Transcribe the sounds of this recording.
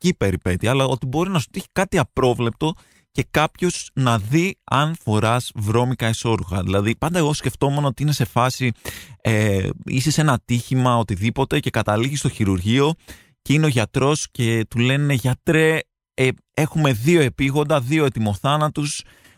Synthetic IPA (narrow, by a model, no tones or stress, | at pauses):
cipe̞ɾipe̞t̪iɐlɐo̞t̪ibo̞ɾinɐsu̥t̪içi̥kɐt̪iɐpɾo̞vle̞p̚t̪o̞ | ce̞kɐpço̞snɐðiɐnfo̞ɾɐzvɾo̞mikɐeso̞ɾuɣɐ̰ðilɐðipɐnd̪ɐe̞ɣosce̞ft̪o̞me̞nɐot̪iinese̞fɐsieisese̞nɐt̪içimɐo̞t̪iðipo̞t̪e̞ce̞kɐt̪ɐliʝist̪o̞çiɾuɾʝio̞ | ce̞ineo̞ʝɐt̪ɾo̞sce̞t̪ule̞neʝɐt̪ɾe̞ | e̞xume̞ðio̞e̞piɣo̞nd̪ɐðioe̞t̪imo̞θɐnɐt̪us